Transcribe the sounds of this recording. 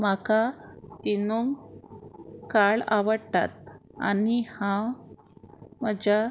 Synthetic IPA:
makat̪inuŋɡ | kaɭaʋəɽt̪a̰t̪̚a̰nihã | məd͡ʑa

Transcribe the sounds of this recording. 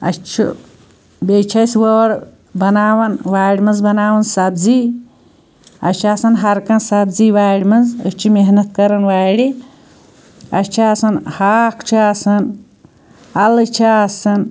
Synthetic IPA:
ɐ̰t͡ʃʰḭ | bet͡ʃʰɐsʋoːɽ | bɐnaːwɐnʋaːɽʲimɐnzbɐnaːwɐnsɐbzi | ɐ̰t͡ʃʰaːsɐnɦɐɾkɐnsɐbziːwaːɽʲmɐnzə̰t͡ʃʰimeɦnɐt̪̚kɐɾɐnʋaːɽi | ɐt͡ʃʰiaːsɐnhaːkʰt͡ʃʰiasɐn | ɐlt͡ʃʰaasɐn

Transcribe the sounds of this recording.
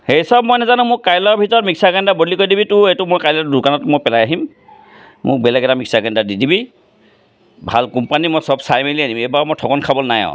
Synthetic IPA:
xeisɔb̚mojnazanʊ̃mʊkkajlɔɹbʱitɔɔtmiksaɡɛndabolikojdibitʊejtʊmojkajlɔdukanɔtmojpɛlajaɦim | mʊ̰k̚bɛlɛɡɛtamiksaɡɛndadidibi | bʱa̰lkumpanimojsɔbsajmelianimejbamojtʰɔkɔnkʰabɔlnajɔ̰̃

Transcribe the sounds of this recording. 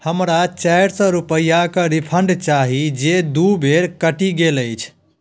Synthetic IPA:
həmɾat͡ʃajɽsə̃ɾupəjːakəɾipʰəɳɖt͡ʃaɦid͡ʒed̪ubʱeɾkəʈiɡeləjt͡ʃʰ

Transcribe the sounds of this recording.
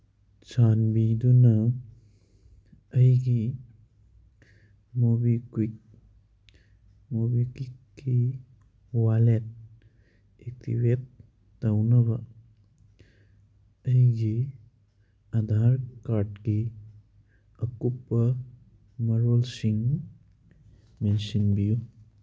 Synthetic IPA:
t͡ʃanbid̪unɐ | jɡi | mobikwik̚ | mobikwikːi | walet̚ | ek̚t̪ʰḭbet̪ː | awnɐba | əiɡi | ad̪ʱaɾkaɾʈki | əkupːə | mɐɾolsiŋ | menʃinbiju

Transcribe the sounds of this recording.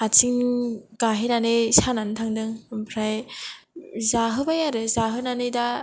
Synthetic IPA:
at͡ʃʰiŋɡaɦinanɯjsanantʰaŋdɯŋpʰɾaj | zaɦɯbajaɾɯzaɦɯnanɯjda

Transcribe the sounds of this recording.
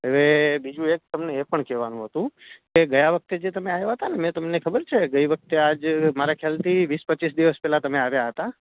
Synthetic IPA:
eʋebid͡ʒũek̚t̪əmneːpəɳkɛʋanũɦət̪ũkeɡəjaʋək̚t̪ed͡ʒet̪əmeajaɦət̪anemɛ̃t̪əmnekʰəbəɾt͡ʃʰeɡəiʋək̚t̪ead͡ʒmaɾakʰjalt̪ʰiʋispət͡ʃːisd̪iʋəspɛlat̪əmeaʋjaɦət̪a

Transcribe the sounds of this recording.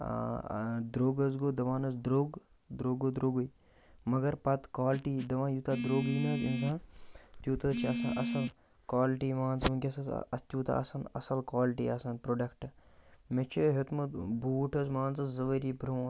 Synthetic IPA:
d̪ɾoːɡɐzɡoːd̪ɐʋaːnɐzd̪ɾoːɡ | d̪ɾoːɡoːd̪ɾoːɡuj | mɐɡɐɾpɐt̪kaːlʈiːd̪ɐʋãːjut̪ad̪ɾoːɡinɐzĩnzãːt̪ʲjuːt̪ɐt͡ʃʰiɐsaʔɐsɐl | kwaːlʈiːmaːnzmukʲesɐz̰ɐ̰st̪ʲjuːt̪a̰ɐ̰sɐnɐ̰sɐlkaːlʈḭɐsɐnpɾoːɖɐkʈmet͡ʃʰeɦet̪mɐbuːʈɐzmaːnzɐzɐʋəɾiːbɾoː

